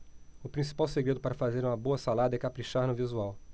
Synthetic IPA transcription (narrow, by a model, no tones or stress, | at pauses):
ʊpɾĩsi̥pawseɡɾed̪ʊpaɾɐfazeɾũmɐboɐsalad̪ɐɛkapɾiʃaɾnʊvizuaw